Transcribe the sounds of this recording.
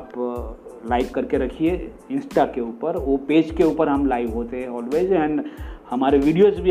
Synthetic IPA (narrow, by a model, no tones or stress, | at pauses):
p | laːɪpkɐɾkeɾɐkʰie | ɪ̃nsʈakeuːpəɾopeːd͡ʒkeuːpəɾɦɐmlaːɪʋɦoːt̪eɦɛ̃ɔːlʋeːd͡ʒɛ̃ɳɖhɐmaːɾeʋiːɖijozbʱi